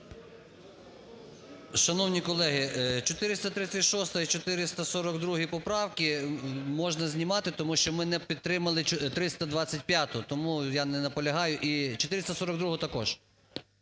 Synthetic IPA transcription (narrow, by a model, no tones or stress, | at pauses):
ʃɐnɔwnʲikɔlˠɛɦɪt͡ʃɔt̪ɪɾɪst̪ɐt̪ɾɪt͡sʲɐtʲʃɔst̪ɐit͡ʃɔt̪ɪɾɪst̪ɐsɔɾɐɡd̪ɾuɦipɔpɾɑwkɪmɔʒnɐzʲnʲimɑt̪ɪt̪ɔmuʃt͡ʃɔmɪnɛpʲid̪̚t̪ːɾɪmɐlˠɪt̪ɾɪst̪ɐd̪ʋɑt͡sʲːɐtʲpʲjat̪ʊt̪ɔmujɑnɛnɐpɔlʲɐɦɑjʊʔit͡ʃɔt̪ɪɾɪsɐsɔɾɐɡd̪ɾuɦʊt̪ɐkɔʒ̥